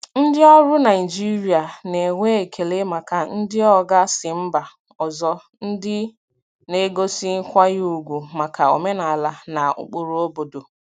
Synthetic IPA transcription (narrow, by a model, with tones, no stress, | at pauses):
n̩˦dɪ˦ɔ˦ɾʊ˦na˨ɪ˨d͡ʒi˦ɾi˦a˨ne˨ŋʷe˦e˨kʰe˨le˦ma˨ka˨n̩˦dɪ˦ɔ˦ɡa˦sɪ˨m̩˦ba˨ | ɔ˨zɔ˦ | n̩˦dɪ˦ | ne˦ɡo˦si˦ŋ̩˦kʷa˦ɣu˨ɡʷu˨ma˨ka˨o̰˨me˦na˨la˨na˨ʊ̰˨k͡pu˨ɾu˦o˦bo˨do˨